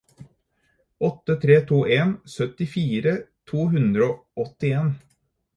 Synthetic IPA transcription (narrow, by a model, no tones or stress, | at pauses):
ɔt̪ːət̪ʰɾeːt̪ʰuːʔeːnsœt̪ɪfiːɾət̪ʰuːɦʉnd̪ɾəoː | ɔt̪ɪeːn